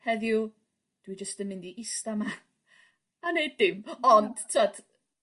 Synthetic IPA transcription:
hɛðju | d̥wid͡ʒəstənːɪndiʔɪstama | anejdɪmɔnd̥tʰad̥

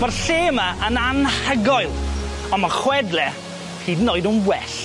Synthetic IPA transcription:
b̥arɬeːmaʔənanhəɡɔɨlˠ | ɔmaχwɛdlɛ | iːdnoɨdunwɛɬ

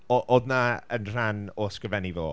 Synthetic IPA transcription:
ɔʔodnaənr̥anoːskrəvɛnivo̰ː

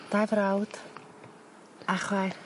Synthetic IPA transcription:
d̥ajvrawd̥ | aχwajr

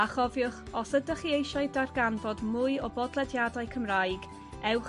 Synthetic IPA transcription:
aχɔvjʊχɔsədəχiejʃaɨdarɡanvɔdmʊɨɔbɔdlˠɛdjadajkʰəmrajɡ | ɛwχ

